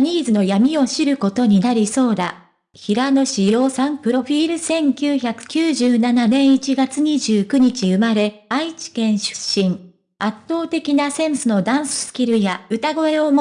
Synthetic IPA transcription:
ɲ̟iːzɨno̞jamʲio̞ɕiɾɯ̟ko̞t̪o̞ɲ̟inaɾʲiso̞ːd̪a̰ | çiɾano̞ɕijo̞ːsãmpɯ̟ɾo̞ɸʲiːɾɯ̟sẽ̞ŋkʲɨːçakɯ̟̥kʲɨːʑɨːnananẽ̞ɰ̃it͡ɕiɡat͡sɨɲ̟iʑɨːkɯ̟ɲ̟it͡ɕiɯ̟maɾe̞ait͡ɕi̥kẽ̞ɰ̃ɕɨ̥ɕːĩŋ | at̪ːo̞ːt̪e̞kʲinasẽ̞ɰ̃sɨno̞d̪ãɰ̃sɨ̥sɨ̥kʲiɾɯ̟jaɯ̟t̪aɡo̞e̞o̞m

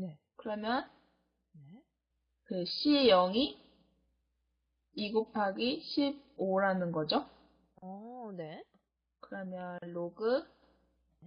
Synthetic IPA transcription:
ne̞ | kɯɾʌmjʌn | ne | kɯɕʰijʌŋi | iɡupʰaɡiɕʰib̚oɾanɯnɡʌd͡ʑo | ʌne̞ | kɯɾʌmjʌnloɡɯ

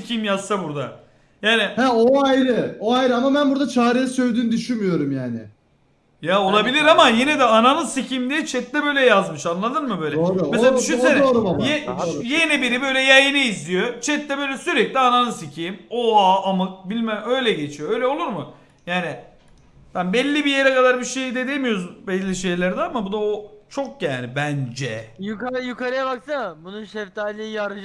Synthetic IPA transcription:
icʰimjazsabuɾd̪a̰ | jaːnɪhæoajɾɯoajɾɯamabænbuɾd̪at͡ʃʰaːɾejisø̞jd̪yːnyd̪yʃynmyjo̞ɾumjaːnɪ̰ | jao̞lˠabilʲiɾamajenid̪ɛananɯsicʰimd̪ijɛt͡ʃʰɛt̪d̪ʲɛbø̞jlʲɛjazmɯʃanlˠad̪ɯɾmɯbø̞jlʲɛomɛseladyʃyneoɾumajejenibiɾibø̞jlʲɛjajiniizlʲijo̞t͡ʃʰɛt̪d̪ɛbøjlʲɛsyɾɛclʲiananɯsicʰiːmoaamɯk̚bilʲmɛøjlʲɛɟe̞t͡ʃʰijoøjlʲɛo̞lˠuɾmʊ | jaːnɪ | b̥ænbɛlʲːibijeɾɛkad̪aɾbiʃe̞jd̪ɛd̪emijo̞ɾuzzbɛllːʲiʃe̞jlʲæɾd̪ɛamabud̪aot͡ʃʰo̞k̚ɟanibænd͡ʒɛjukaɾjukaɾɯjabaksɯmabununʃɛft̪ʰaːlʲijaɾɯʒ

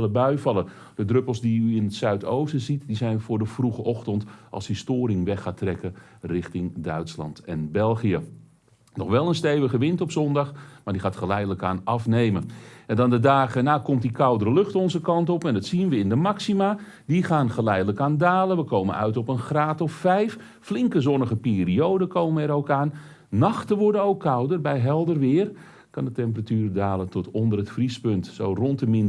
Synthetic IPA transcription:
ləbœɥfɑlˠə | d̥ədrɵpəl̩ˠsdiyɪnətsœɥtowsəzitdizɛjnfʊːɹdəv̥ruχəʔɔχtəntʔɑ̰lˠshistoːɾɪŋʋɛxaːtrɛkərɪχtɪŋdœɥtslɑ̰ntɛnbɛlˠχijə | nɔχʋɛlˠənstejvəχəʋɪntɔpsɔndɑχmaːɹdiχaːtχəlɛjdələkaːnɑfnejmənɛndɑndədaːɣənaːkɔmt̚dikawdəɾəlɵxtɔnzəkɑntɔpɛndɑtsinʋəɪndəmaksima | diχaːnχəlɛjdələkaːndaːlənʋəkowmə̰nœ̰ɥtɔpənχraːtɔffɛjf | flɪŋkəzɔnəɣəpeːriowdəkʰowmənɛɾowkaːnː | ɑxtənʋɔɹdənowkʰːʌwdərbɛjɦɛlˠdərʋɪːr | kɑndətɛmp̬əratyːrdaːlətɔtɔndərətfrispɵntsowrɔntəmɪn

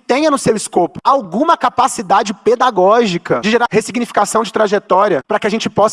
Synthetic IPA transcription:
t̪ẽj̃ɐnʊsewɪskopʊ̥awɡũmɐkapasid̪ad͡ʒɪped̪aɡɔʒikɐd͡ʒɪʒeɾahesiɡnifi̥kasɐ̃w̃d͡ʒɪt̪ɾaʒet̪ɔɾiɐpɾɐkɪaʒẽnt͡ʃɪ̥pɔs

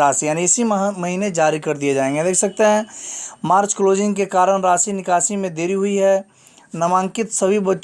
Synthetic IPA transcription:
aːsijaːniɪsimɐɦiːned͡ʒaːɾikɐɾd̪ijed͡ʒaːẽːŋɡed̪eːkʰsɐk̚t̪eɦɛ̃maːɾt͡ʃkloːd͡ʒɪ̃ŋɡkekaːɾəɽɾaːsinɪkaːʃimẽd̪eːɾiɦʊiɦɛ | nɐmãːŋkɪt̪sɐbʱibɐtː

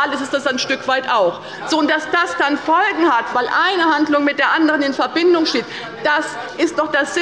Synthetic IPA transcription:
aləsɪstd̥asaɪnʃtʏkv̥aɪtaʊx | z̥oːʊntd̥asd̥asd̥anfɔlɡŋ̩hatv̥aɪlʔaɪnəhandlʊŋmɪt̚d̥eːɐʔandəʁənɪnfɛɐbɪndʊŋʃteːt | d̥asʔɪstd̥ɔχd̥asz̥ɪ

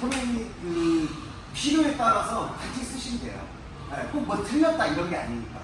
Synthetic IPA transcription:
onenikɯ | pʰiɾoe̞t͈aɾasʰʌkant͡ɕʰis͈ɯɕʰindḛjo̰ | ek͈ok̚mʌtʰɯʎːʌt̚t͈aiɾʌŋɡea̰ɲimɲik͈a̰

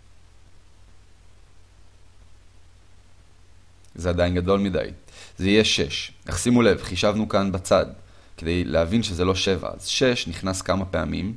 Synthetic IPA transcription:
zead̪ajnɡado̞lmida̰jzeijeʃe̞ʃnaχsimule̞vχiʃavnukanbat͡sad | ke̞d̪e̞jleavinʃezelo̞ʃe̞va̰a̰zʃe̞ʃniχnaskamape̞a̰mim

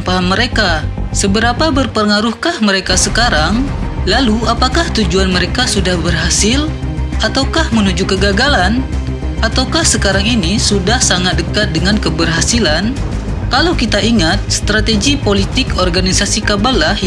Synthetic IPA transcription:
paməɾekasəbəɾapabərpəŋaɾuhkahməɾekasəkaɾaŋlaluapakaht̪ud͡ʒuanməɾekasudahbərɦasɪl | at̪awkahmənud͡ʒukəɡaɡalan | ʔat̪awkahsəkaɾaŋinisudahsaŋat̪̚dəkat̪̚dəŋankəbərɦasilan | kalawkit̪aʔiŋat̪̚st̪ɾat̪eɡipolit̪ɪkɔrɡanisasikabalah

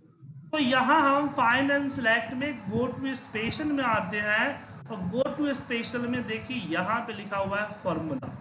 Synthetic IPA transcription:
t̪oːjɐɦãɦɐmfaːɪnɛ̃ːnslɛːkʈmẽkɡoːʈwespeːʃəlmẽaːt̪eɦɛ̃ | ɔːɾɡoːʈwespeːʃəlmẽd̪eːkʰiejɐɦãpelɪkʰaɦʊaɦɛfɔːɾmula̰

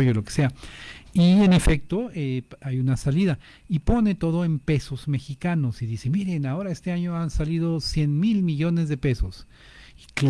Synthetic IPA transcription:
joloke̥seaienefek̚t̪oeajunasaliða | ipo̞net̪o̞ðoempe̞sozme̞xikanosiðise̞miɾenao̞ɾaest̪eaɲoansaliðosje̞nmilmiʝo̞nezðepesos | ik

